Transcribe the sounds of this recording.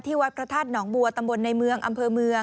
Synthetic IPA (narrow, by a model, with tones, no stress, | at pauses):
t̪ʰiː˥˩wa˦˥t̪̚pʰɾa˧t̪ʰaː˥˩t̪̚nɔː˩˦ŋbu˧ɐt̪a˧mbo˧nːa˧jmɯ˧əŋʔa˧mpʰɤː˧mɯ˧ə